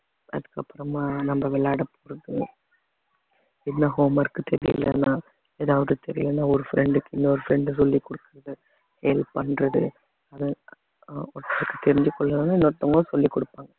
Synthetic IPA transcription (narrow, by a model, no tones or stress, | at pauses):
ɐ̰ðɯkːɐpːɯɾɐmaːnɐmbɐʋɛɭːaːɽɐpoːɾɐðɯ | ɪnːɐɦoːmɐɾkːɯt̪ɛɾɪ̰jɪ̰lɛ̰nːaː | eːðaːʋɐðɯt̪ɛɾɪjɪ̰lɐnːaːɔɾɯfɪɾɛɳɖɯkːɪnːɔɾɯfɾɛɳɖɯs̬ɔlːikːɔɽɯkːɯɾɐðɯ | hɛːlpɐnɾɐðɯ | ɐðɯ | ɔʈ̪ːɐɾkːɯt̪ːɛɾɪɲd͡ʒɯkːɔɭːɐlɐnːaːɪnːɐɔʈ̪ːɐŋɡosɔlːikːɔɽɯpːaːŋɡɐ